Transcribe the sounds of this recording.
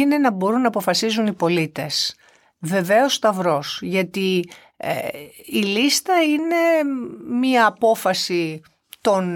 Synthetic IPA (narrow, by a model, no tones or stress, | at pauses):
ine̞nɐbo̞ɾunːɐːpo̞fɐsizunipo̞lit̪e̞s | ve̞ve̞o̞st̪ɐvɾo̞sʝɐt̪i | ilist̪ɐine̞miɐːpo̞fɐsi | t̪o̞n